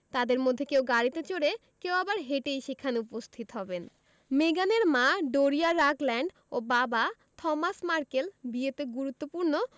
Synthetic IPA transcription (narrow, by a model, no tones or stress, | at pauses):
t̪ad̪eɾmod̪ʱːekewɡaɽit̪et͡ɕoɽe | kewabaɾɦeʈejʃekʰaneupost̪ʰit̪oɦɔben | meɡaneɾmaɖoɾiaɾaklɛɳɖ | obaba | t̪ʰɔmasmaɾkelbiet̪eɡuɾut̪ːopuɾno